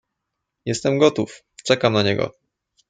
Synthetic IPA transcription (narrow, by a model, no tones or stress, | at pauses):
jɛst̪ɛmɡɔt̪uf | t͡ʂɛkamnaɲɛɡɔ̰